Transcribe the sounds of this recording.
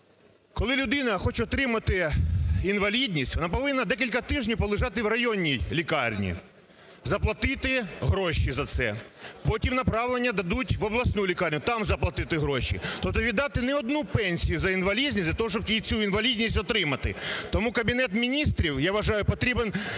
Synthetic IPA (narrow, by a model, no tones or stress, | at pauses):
kɔlˠɪlʲʊd̪ɪnɐxɔt͡ʃɛɔt̪ɾɪmɐt̪ɪinʋɐlʲidʲnʲisʲtʲʋɔnɑpɔʋɪnːɐd̪ɛk̬ʲilʲkɐt̪ɪʒnʲiwpɔlˠɪʒɑt̪ɪwrɐjɔnʲːijlʲikɑrnʲḭ | zɐplˠɐt̪ɪt̪ɪɦɾɔʃizɐt̪sɛ̰pɔtʲimnɐpɾɑʋlenʲːɐd̪ɐd̪utʲʋɔblˠɐsnulʲikɑrʲnʲʊt̪ɑmzɐplˠɐt̪ɪt̪ɪɦɾɔʃḭt̪ɔp̚t̪ɔʋʲid̪ːɑt̪ɪnɛɔd̪nupɛnʲsʲijʊzɐinʋɐlʲizʲnʲizʲdʲlʲɐt̪ɔɦɔʃ̬t͡ʃɔb̚t̪ʲit͡sʲuinʋɐlʲidʲnʲisʲtʲɔt̪ɾɪmɐt̪ɪ̰t̪ɔmukɐbʲinɛt̪mʲinʲist̪ɾʲiwjaʋɐʒɑjʊpɔt̪ɾʲiben